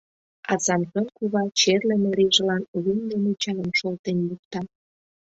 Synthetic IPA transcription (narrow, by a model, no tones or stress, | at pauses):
ɑzɑmkonkuβɑt͡ɕerlemeɾiʒə̆lɑnlymd̪enut͡ɕɑlə̆mʃolt̪enluk̚t̪ɑ